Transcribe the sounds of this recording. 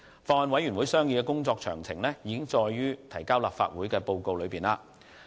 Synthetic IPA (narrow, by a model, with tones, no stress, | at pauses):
fɔː˧hɐ˨˧nwɐ˨˥jy˨˩nwu˨˥jsœː˥ŋjiː˧kɛː˧kʊ˥ŋt͡sɔː˧k̚t͡ʃʰœː˨˩ŋt͡sʰɪ˨˩ŋlɛ˥jiː˨˧kɪ˥ŋt͡ʃɔː˧jɥyː˥t̪ʰɐ˨˩jkaː˥wla̰ː˨p̚fa̰ː˧t̚wu˨˥jkɛː˧po˧wko˧wlɵ˨˧ɥpiː˨˩nlaː˧